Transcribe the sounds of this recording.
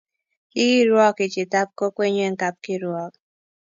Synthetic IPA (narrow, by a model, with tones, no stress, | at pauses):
ki˦ki˦ɾwɔ˦ki˨t͡ʃi˨ta˦p̚ko˦kwe˦ɲe˦˨ŋ̩˦ka˦p̚ki˦ɾwɔ˦˨k̚